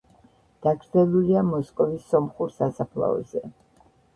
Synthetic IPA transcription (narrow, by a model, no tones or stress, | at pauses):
d̪̥aɡɾd̪zɛlˠuliamɔskʼɔvisːɔmχuɾsasapʰlˠa̰ɔ̰zɛ